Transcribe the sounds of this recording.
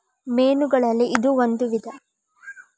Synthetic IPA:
meːnuɡɐɭɐlːiːd̪uond̪uʋid̪ɐ

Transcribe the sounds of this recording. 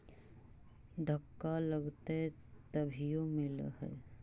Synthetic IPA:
d̪ʱəkːaləɡt̪eɦe | t̪ɐbʱijomɪlɦɛ̰ː

